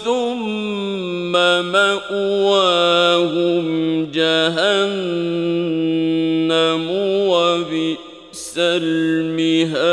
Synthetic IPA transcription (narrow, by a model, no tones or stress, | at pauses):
θʊmː | amaʔʊwaːhʊmd͡ʒaɦan | amwafi | salmɪɦaː